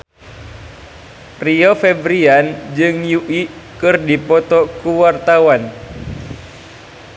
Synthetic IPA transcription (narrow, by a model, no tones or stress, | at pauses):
riɔfɛbɾiand͡ʒɨŋjuʔikɨrdipɔt̪ɔkuwart̪awan